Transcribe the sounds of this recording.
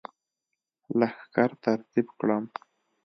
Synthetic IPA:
laxkaɾt̪aɾt̪ibkɽam

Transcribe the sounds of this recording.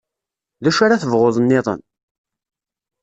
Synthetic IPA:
ðæʃaɾaθəvʁoðˤnːɪðˤə̰n

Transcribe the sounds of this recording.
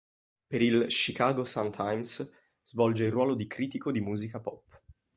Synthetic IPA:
peɾilʃikaːɡosant̪ʰajms | z̥vɔld͡ʒeilrːwɔːlod̪ikɾiːt̪ikod̪imuːzikapɔpː

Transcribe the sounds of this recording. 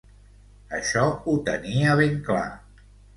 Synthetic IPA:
ə̰ʃɔut̪əniəβeŋkla̰

